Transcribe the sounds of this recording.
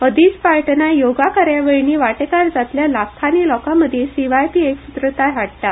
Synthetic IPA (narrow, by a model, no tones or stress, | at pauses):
əd̪iːt͡spaɭʈnajoɡakaɾjaʋeɭniːʋaʈekaɾd͡zat̪ljalakʰːanilɔkaməd̪ʱjesiʋajpiːeksut̪ɾət̪aɦaɽt̪a